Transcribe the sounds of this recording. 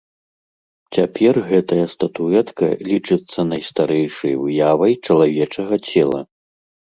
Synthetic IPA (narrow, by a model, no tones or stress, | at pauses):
t͡sʲapʲɛrɣɛt̪ɐjɐst̪ɐt̪uɛt̪kɐ̰lʲit͡ʂɨt̪sːɐnɐjst̪aɾɛjʂɐ̰jvɨjavɐjt͡ʂɐlˠavʲɛt͡ʂɐɣɐt͡sʲɛlˠɐ̰